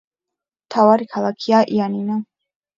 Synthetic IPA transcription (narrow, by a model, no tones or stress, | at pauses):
mt̪ʰavaɾikʰalˠakʰiaʔianina